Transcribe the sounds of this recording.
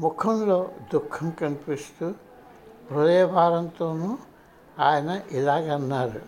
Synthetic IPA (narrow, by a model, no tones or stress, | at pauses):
mukʰɔnlɔd̪ukʰːɔmkɐnpist̪u | pɾɔd̪ɐjɔbʱaːɾɐnt̪ɔnu | ajnaʔilaɡanːaɾu